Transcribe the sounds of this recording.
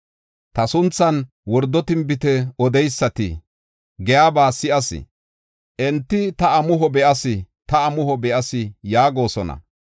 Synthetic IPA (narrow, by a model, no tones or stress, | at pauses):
t̪ɐsʊnt͡sːɐn | wɔɾd̪ːɔt̪ɪmbɪt̪ɛɔd̪ɛjsːɐt̪ɪ̰ | ɡɛjaːbaːsɪʔɐsɪ̰ | ʔɛnt̪ːɪt̪ɐɐmʊɦɔbɛʔɐsɪ | t̪ɐɐmʊhɔbɛʔɐsɪjaːɡo̞ːsɔnɐ̰